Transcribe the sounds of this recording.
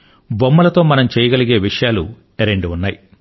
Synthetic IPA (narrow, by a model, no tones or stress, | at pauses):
bomːɐlɐt̪o̞ːmɐnɐmt͡ʃɛːjɐɡɐliɡe̞ːʋiʂɐjaːlṵ | eɾeɳɖiunːaːji